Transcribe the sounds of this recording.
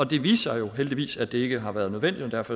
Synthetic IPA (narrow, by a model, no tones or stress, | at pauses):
ɒ̽d̥e̝ʋḭːsɑjo̝ɦeld̥iʋḭːsæd̥e̝e̝ɡ̥əɦɑ̈ʋæɐð̞̩ˠnøðˠen̰d̥id̥ɒd̥æɐfɒ